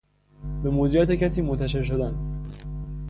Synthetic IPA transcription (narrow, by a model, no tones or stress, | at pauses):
be̞moːd͡ʒiæːt̪ecæsiːmont̪ʰæʃe̞ɾʃ̬od̪æn